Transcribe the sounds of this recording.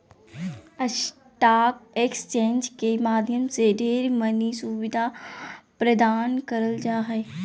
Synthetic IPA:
əʃ | ʈaːk̚eːkst͡ʃẽːnd͡ʒkemaːd̪ʱjəmseɖʱeːɾmənisuʋɪd̪ʱapɾəd̪aːnkəɾəld͡ʒaːɦɛ

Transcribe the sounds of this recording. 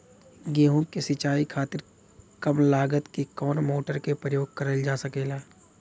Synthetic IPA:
ɡeːɦõkesɪt͡ʃaːikʰaːt̪ɪɾ | kɐmlaːɡət̪kikɔːnmoːʈəɾkepɾəjoːɡ̚kɐɾəld͡ʒaːsəkeːlaː

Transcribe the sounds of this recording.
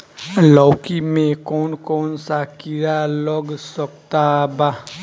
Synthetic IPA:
lɔːkimẽkɔːnkɔːnsakiɾaləɡsəkt̪aba

